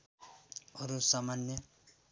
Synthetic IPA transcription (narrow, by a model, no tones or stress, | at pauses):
ɔɾusamanjʌ